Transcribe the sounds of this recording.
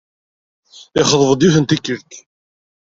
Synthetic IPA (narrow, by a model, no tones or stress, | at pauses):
ɪχəðˤəvəd̪juθənt̪ikːəɾt̪